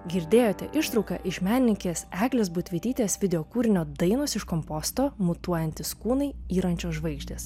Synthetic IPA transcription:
ɡʲɪɾʲd̪ʲeːjoːt̪ʲɛʔɪʃt̪ɾɒʊkɐ̰ʔɪʃmʲæːnʲɪnʲɪŋkʲeːsæːɡlʲeːsbʊt̪ʲʋʲɪt̪ʲiːt̪ʲeːsʋʲɪd̪ʲɛoːkuːɾʲɪnʲoːd̪ɐɪnosɪʃkɔmpɔst̪oːmʊt̪uɔjɛnʲt̪ʲɪskuːnɐɪiːɾɐnʲt͡ʃʲoːsʒʋɐɪɡʒʲd̪ʲeːs

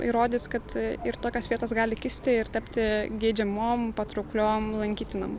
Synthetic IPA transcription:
ḭɾoːd̪ʲɪskɐt̪ɪɾt̪oːkʲoːsʋʲiɛt̪oːsɡɑːlʲɪkʲɪsʲt̪ʲɪɪɾt̪ɐpʲt̪ʲɪɡʲeːd͡ʒʲɛmoːmpɐt̪ɾʊklʲoːmlˠɐŋʲkʲiːt̪ʲɪno̰m

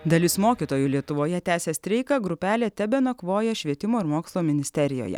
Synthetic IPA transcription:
d̪ɐlʲɪsmoːkʲiːt̪oːjʊlʲiɛt̪ʊʋoːjɛt̪ʲæːsʲɛsʲt̪ʲɾʲɛɪkɐɡɾʊpʲæːlʲɛːt̪ʲɛbʲɛnɐkʋoːjɛʃʲʋʲiɛt̪ʲɪmoːɪɾmoːkslˠoːmʲɪnʲɪsʲt̪ʲɛɾʲɪjo̰ːjɛ̰

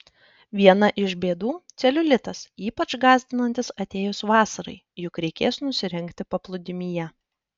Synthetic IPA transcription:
ʋʲiɛnɐʔɪʃbʲeːd̪uːt̪sʲɛlʲʊlʲɪt̪ɐsiːpɐt͡ʃɡɑːzʲd̪ʲɪnɐnʲt̪ʲɪsɐt̪ʲeːjʊsʋɑːsɐɾɐ̰ɪ | jʊkɾʲɛɪkʲeːsnʊsʲɪɾʲɪŋʲkt̪ʲɪpɐplˠʊd̪ʲɪmʲiːjɛ

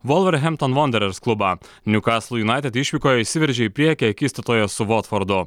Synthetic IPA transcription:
ʋɔlˠʋʲɛɾɦʲɛmt̪ɔnʋɔnʲd̪ʲɛɾʲɛɾsklˠʊbɐ | nʲʊkɑːslˠʊjʊnɑˑɪt̪ʲɛt̪ɪʃʲʋʲiːkoːjɛisʲɪʋʲɪɾʲʒʲɛipʲɾʲiɛkʲɛɐkʲiːst̪ɐt̪oːjɛsʊʋɔt̪fɔɾd̪ʊ

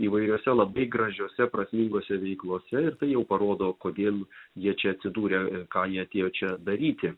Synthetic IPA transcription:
iːʋɐɪɾʲoɔsʲɛlˠɐbɐɪɡɾɐʒʲoːsʲɛpɾɐsʲmʲiŋɡoːsʲɛʋʲɛɪklˠoːsʲɛɪɾt̪ɐɪjɛʊpɐɾoːd̪oːkoːd̪ʲeːlˠjiɛt͡ʃʲɛɐt̪ʲsʲɪd̪uːɾʲekɑːjiɛɐt̪ʲeːjoːt͡ʃʲɛd̪ɐɾʲiːt̪ʲɪ

